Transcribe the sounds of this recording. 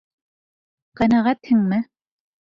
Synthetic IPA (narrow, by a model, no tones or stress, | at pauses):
qænæʁæt̪hɘŋmɘ